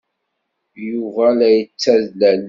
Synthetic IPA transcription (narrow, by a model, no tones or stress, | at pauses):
juvælæjət͡sːæðlæl